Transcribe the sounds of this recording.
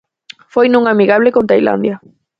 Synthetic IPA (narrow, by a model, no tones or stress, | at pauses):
fojnũŋamiɣaβ̞lekõnt̪ajla̰nd̪ja